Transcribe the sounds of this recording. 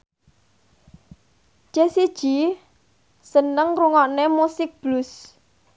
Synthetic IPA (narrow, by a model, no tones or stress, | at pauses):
d͡ʒ̥esid̥ʒ̥i̤ | sənəŋruŋɔʔnemusɪk̚b̥lʊs